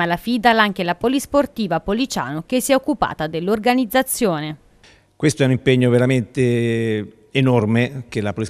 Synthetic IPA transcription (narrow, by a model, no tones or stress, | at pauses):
alafid̪alaŋk̟elapolisport̪iːvapolit͡ʃa̰ːnokesːiɛokːupa̰ːt̪ad̪elːorɡanid̪zat̪sːjoːne | kwest̪oɛunimpeɲːoveɾament̪e | enɔrmekelapoli